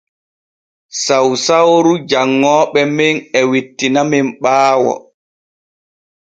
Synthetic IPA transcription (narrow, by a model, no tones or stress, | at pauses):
sawsawɾud͡ʒaŋːɔːɓɛminɛwitːinamimɓaːwɔ̰